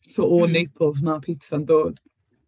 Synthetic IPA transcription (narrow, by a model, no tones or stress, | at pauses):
soɔːneːpʰəlˠzmaːpʰɪtsãndoːd̥